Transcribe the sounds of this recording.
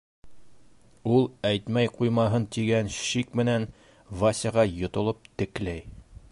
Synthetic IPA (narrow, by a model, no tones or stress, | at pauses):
ulˠæjt̪mæjqujmɑɦɤnt̪iɡænʃikmɘ̆næn | vasʲɑʁɑjŏt̪ŏlˠop̚t̪ɘ̆klæj